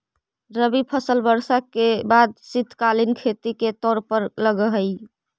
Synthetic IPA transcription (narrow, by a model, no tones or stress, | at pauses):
ɾəbipʰəsəlbəɾsakebad̪̚sit̪ʰkalinkʰet̪iket̪ɔːɾpəɾləɡəɦəj